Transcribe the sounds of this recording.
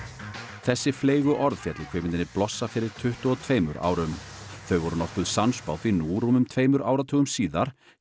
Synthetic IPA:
θɛsːɪfleːjɣʏʔɔɾðfjɛt̪lɪkʰv̥ɪːmɪnɪnɪplɔsːafɪɾɪɾ̥t̪ʰʏht̪ʏɔt̪ʰveːjmʏɾa̰ːwɾʏmθœɥvɔɾʏnɔhkʏðsanspaːwθinuːɾumʏmt̪ʰveːjmʏɾʔa̰ːwɾat̪ʰœːɣʏmsiːðaɾ̥

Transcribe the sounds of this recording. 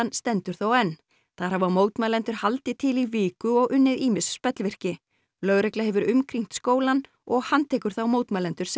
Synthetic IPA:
nst̪ɛnt̪ʏɾ̥θowɛnː | θaðɾ̥havamoːwt̪malɛnt̪ʏɾ̥halt̪ɪt̪ʰɪliviːkʏɔɣʔʏnːɪðiːmɪsspɛt̪lvɪr̥cɪ | lœɣɾɛklahɛvʏɾʏmkʰɾiŋ̥t̪skoːwlan | ɔɣhant̪ʰɛːkʏɾ̥θawmoːwt̪malɛnt̪ʏɾ̥s

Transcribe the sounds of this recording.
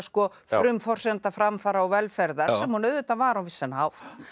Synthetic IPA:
skɔ | fɾʏmfɔr̥sɛant̪afɾamfaːɾaɔɣvɛlfɛɾðaɾssɛmhunœːɥðʏt̪avaːɾawvɪsːɛnhawht̪

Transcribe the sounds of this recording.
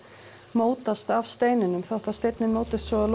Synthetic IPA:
moːwt̪ast̪avst̪eːjnɪnʏmθawht̪ast̪ejt̪nɪnmoːwt̪ɪst̪svɔl

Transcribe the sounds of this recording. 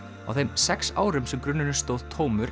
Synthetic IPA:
a̰wθejmsɛksa̰ːwɾʏmsɛmkɾʏnːɪnʏst̪oːwðt̪ʰoːwmʏɾ

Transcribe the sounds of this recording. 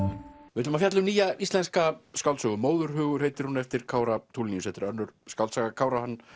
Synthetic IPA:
vɪt̪ʏmafjat̪lʏmniːjaist̪lɛnskaskawlsʏɣʏmoːwðʏɾ̥ɦʏːɣʏɾ̥hejt̪ɪɾ̥hunɛft̪ɪɾ̥kʰaːwɾat̪ʰuːlinijʏsɛht̪ɪɾœɾnːʏɾ̥skawlsaɣakʰaːwɾahanː

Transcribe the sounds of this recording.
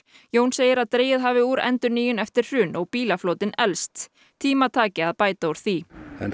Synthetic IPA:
joːwnseːjɪɾaðt̪ɾeːjɪðɦaːvɪuːɾɛ̰nt̪ʏɾniːjʏnɛft̪ɪɾ̥r̥ʏːnɔɣpiːlafloːwt̪ɪnɛlst̪ʰ | iːmat̪ʰaːcɪaðpaːjt̪auɾ̥θiɛ̰n

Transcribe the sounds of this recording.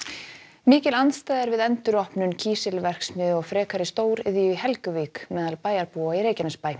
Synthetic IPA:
mɪːcɪlanst̪aːjðɛɾvɪðɛnt̪ʏɾɔhpnʏncʰiːsɪlvɛr̥ksmʏːðʏɔɣfɾɛːkʰaɾɪst̪oːwɾɪðjʏhɛlkʏviːkmɛːðalpaːjaɾpuaiɾeːjcanɛspaːj

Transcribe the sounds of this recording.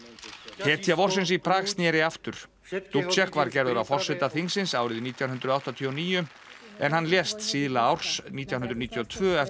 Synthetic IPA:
hɛːt̪ʰjavɔr̥sɪns̬ipʰɾaːɣsnjɛːɾɪaft̪ʏɾ̥ | t̪upt͡ʃɛhkvaɾcɛɾðʏɾawfɔr̥sɛt̪aθiŋsɪnsaːwɾɪðniːt̪ʰjawnɦʏnt̪ɾʏðawht̪at̪ʰiːɔniːjʏm | ɛnɦanːljɛːst̪siːðlaawɾ̥sniːt̪jaw̪ʏnɾniːt̪ʰjɔt̪ʰvœːɛ

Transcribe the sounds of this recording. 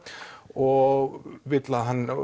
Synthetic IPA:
ɔɣvɪt̪laðɦanː

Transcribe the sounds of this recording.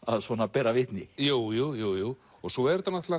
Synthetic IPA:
aðsɔnapɛːɾavɪht̪nɪjowjuwjuwjuw | ɔɣsɔɛɾt̪anat̪la

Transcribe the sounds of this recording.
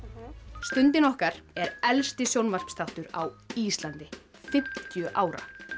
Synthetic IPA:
st̪ʏnt̪ɪnɔhkaɾ̥ɛɾɛlst̪ɪsjownvar̥pst̪aht̪ʏɾawiːst̪lant̪ɪ | fɪm̥t̪jʏʔaːwɾa̰

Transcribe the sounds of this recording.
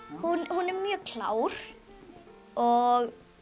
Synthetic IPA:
hunhunɛɾmjœkʰl̥ˠa̰ːwɾ | ɔɣ

